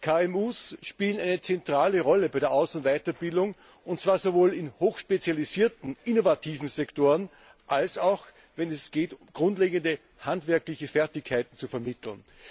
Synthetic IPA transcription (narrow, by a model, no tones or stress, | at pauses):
kʰaːɛmuːsʃpiːlənæɪnət͡sɛntʁ̥aːləʁɔləbaɪɾeːɐʔaʊsʊn̩tvaɪtɐb̥ɪldʊŋ | ʊntt͡sv̥aːɐzovoːlɪnhoːxʃpet͡sjaliziːɐtn̩ʔɪnovatʰiːvn̩zɛktoːʁən | ʔalsaʊx | vɛnɛsɡ̥eːtʊmɡ̥ʁʊntleːɡəndə | hantv̥ɛɐklɪçəfɛɐtɪçkʰːaɪtn̩t͡sufɛɐmɪtʰl̩n